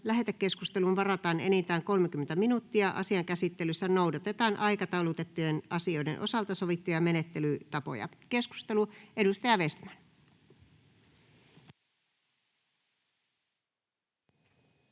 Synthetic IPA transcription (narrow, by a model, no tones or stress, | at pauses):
læɦe̞t̪ækːe̞skust̪e̞lunʋɑrɑt̪ɑːne̞̰nint̪æːŋko̞lmek̟yment̪æminut̪ːiɑʔɑ̰siɑŋkæsit̪ːe̞lysːæno̞wdɑt̪e̞t̪ɑːnʔɑjkɑt̪ɑulut̪e̞t̪ːujenɑsio̞jdenʔo̞̰sɑlt̪ɑso̞ʋit̪ːujɑme̞ne̞t̪ːe̞lyt̪ɑpo̰jɑ̰ke̞sku̥st̪e̞lue̞ɾust̪ɑjɑʋest̪mæn